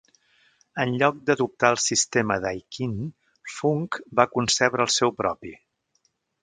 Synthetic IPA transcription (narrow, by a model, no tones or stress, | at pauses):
ənʎɔk̚d̪əðup̚t̪aəlˠsist̪eməðajkin | fuŋkbakunsɛβɾəlˠsɛwpɾɔpi